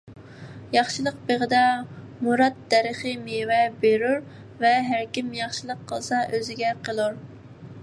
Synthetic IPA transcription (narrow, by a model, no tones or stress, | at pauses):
jɑχʃɨlˠəq̚beʁəd̪ɑ | muɾɑt̪̚d̪æɾəχəmewɛbeɾyɾ | vɛɦæɾkʲimjɑχʃɨlˠəqʰːəlˠsɑʔøzɪɡʲɛqʰəlˠuɾ